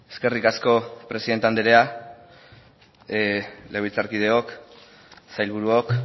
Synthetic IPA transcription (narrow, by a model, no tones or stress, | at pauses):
eske̞rikasko̞pɾe̞siðe̞nt̪eand̪eɾea | lewβilt͡saɾkið̞e̞o̞k | sajlβuɾuok